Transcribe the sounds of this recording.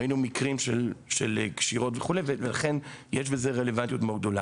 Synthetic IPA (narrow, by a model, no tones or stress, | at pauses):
inumikʁimʃelʃelekʃiʁo̞tveχulejvevelaχe̞njeʃ̬be̞ze̞ʁele̞vant̪ijutmoɡ̚d̪o̞la̰